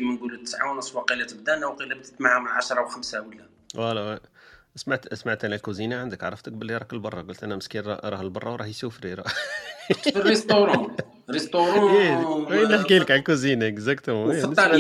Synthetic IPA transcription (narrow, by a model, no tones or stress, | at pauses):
imənɡulət̪ːə̥sʕa̰wnəsˤːwɑqilæt̪əb̚d̪ænawqilæb̚t̪ə̥t̪maʕhamaʕaʃɾˤɑwxəmsæwəlːæ | wæl | smaʕt̪smaʕt̪ʔænælkuzinaʕand̪əkʕa̰ɾˤəft̪ək̚bəlːiɾˤɑkəlbɑrˤːɑɡʊlt̪ʔænæməskiɾɾˤɑhəlbɑrˤːɑwɾˤɑhjsuwfɾiɾˤɑ | fərːest̪ˤoɾˤɑ̃ | ɾest̪oɾɑiwəlːəħkiləkʕalkuzinæɡzæk̚t̪t̪ˤː